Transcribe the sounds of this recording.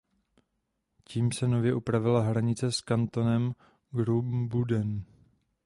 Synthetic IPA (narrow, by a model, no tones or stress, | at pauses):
ciːmsɛno̞vjɛʔupɾavɪlaɦɾaɲɪt͡sɛskant̪o̞nɛm | ɡɾubbudɛn